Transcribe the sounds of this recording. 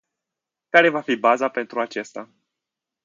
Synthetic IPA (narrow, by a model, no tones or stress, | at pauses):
kaɾe̞vafibazape̞nt̪ɾuat͡ʃe̞st̪a